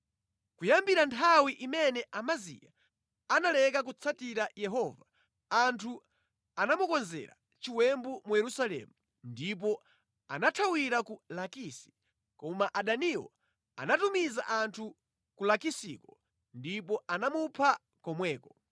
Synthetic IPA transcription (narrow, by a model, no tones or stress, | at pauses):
kujambiɾantʰawiʔimɛnɛʔamazḭja̰ | analɛkak̬ut͡sʰatiɾajɛɦɔva | antʰu | anamukɔnzɛ̰ɾa̰ | t͡ʃiwɛmbumujɛɾusalɛ̰mu | ndip̬ɔ | anatʰawiɾakulakisi̥ | kɔmaʔaɗaniwɔ̰ | a̰natumiza̰ʔantʰu | kulakisḭkɔ | ndipɔanamupʰa | kɔmwɛːkɔ